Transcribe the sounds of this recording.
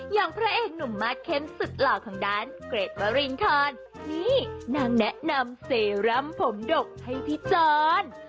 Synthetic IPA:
jaː˨˩ŋpʰɾaː˦˥ʔeː˨˩k̚nu˨˩mːaː˦˥˩t̪̚kʰe˦˥˩msu˨˩t̪̚laː˨˩kʰaː˨˩˦ŋdaː˦˥˩nkɾeː˨˩t̪̚wa˧˥ɾi˧ŋt̪ʰɔː˧n | niː˦˧˥naː˧˩ŋnɛ˦˥ʔna˧mseː˨˦ɾa˦˧˥mpʰo˩˦mdo˨˩k̚ha˥˩jpʰi˦˥t͡ɕɔː˧n

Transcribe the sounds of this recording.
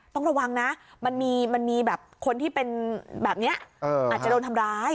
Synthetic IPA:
t̪ɔ˥˩ŋɾa˧wa˧ŋna˦˥ma˧nmiː˧ma˧nmiː˧bɛː˨˩p̚kʰo˧nt̪ʰiː˥˩pe˧nbɛː˨˩p̚ni˦˥ɐʔʔɤː˧a˨˩a˨doː˧nt̪ʰa˧mɾaː˦˥j

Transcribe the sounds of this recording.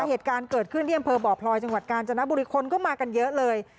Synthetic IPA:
heː˨˩t̪̚kaː˧nkɤː˨˩t̪̚kʰɯ˥˩t̪ʰiː˥˩ʔa˧mpʰɤː˧bɔː˨˩pʰlɔː˧jt͡ɕa˧ŋwa˨˩t̪̚kaː˧nt͡ɕa˧na˦˥buː˧ɾi˦˧˥kʰo˧nkɔː˥˩maː˧ka˧njɤ˦˥ʔlɤː˧j

